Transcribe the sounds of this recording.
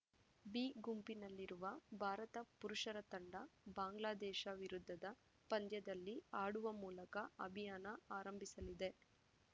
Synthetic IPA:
biːɡumpinɐlːiɾuʋɐbʱaːɾɐt̪ɐpuɾuʂɐɾɐt̪ɐɳɖɐbaːŋɡlaːd̪ɛːʃɐʋiɾud̪ʱːɐd̪ɐ | pɐnd̪jɐd̪ɐlːiaːɽuʋɐmuːlɐkɐɐbʱijaːnɐaːɾɐmbʱisɐlid̪e̞

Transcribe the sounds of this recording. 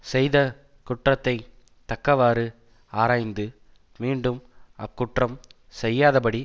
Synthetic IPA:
sɛjðɐ | kʊʈrɐt̪ːɐɪ | t̪ɐkːɐʋaːɾɯ | aːɾaːjnd̪ɯ | miːɳɖɯmɐkːʊʈrɐm | sɛjːaːðɐpɐɽi

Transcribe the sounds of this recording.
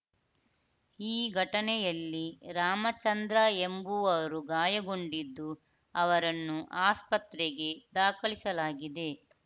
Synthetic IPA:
iːɡʱɐʈɐnɛjɐlːiɾaːmɐt͡ʃɐnd̪ɾaembuɐʋɐɾuɡaːjɐɡo̞ɳɖid̪ːu | ɐʋɐɾɐnːuʔaːspɐt̪ɾeɡe̞d̪aːkɐɭisɐlaːɡid̪e̞

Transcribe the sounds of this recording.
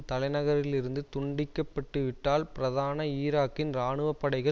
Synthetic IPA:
t̪ɐlɐɪnɐɣɐɾɪlɪɾɯnd̪ɯt̪ʊɳɖɪkːɐpːɐʈːɯʋɪʈːaːlpɪɾɐðaːnɐiːɾaːkːɪnɾaːɳɯʋɐpːɐɽɐɪɣɐ

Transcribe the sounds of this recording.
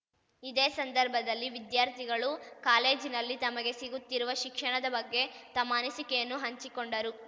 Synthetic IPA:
id̪eːsɐnd̪ɐɾbʱɐd̪ɐlːiʋid̪jaːɾt̪ʰiɡɐɭukaːle̞ːd͡ʒinɐlːit̪ɐmɐɡe̞siɡut̪ːiɾuʋɐʃikʂɐɳɐd̪ɐbɐɡːe̞t̪ɐmːɐnisikɛjɐnːuɦɐɲt͡ʃikoɳɖɐɾu

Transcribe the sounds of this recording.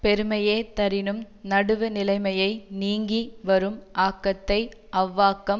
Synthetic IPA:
pɛɾɯmɐjeːt̪ɐɾɪnɯm | nɐɽɯʋɯnɪlɐɪmɐjɐɪniːŋɡiʋɐɾɯmʔaːkːɐt̪ːɐɪʔɐʋːaːkːɐm

